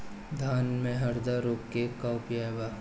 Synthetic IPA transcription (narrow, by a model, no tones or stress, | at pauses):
d̪ʱaːnmẽɦɐɾd̪aɾoːkkekaʊpjaːeba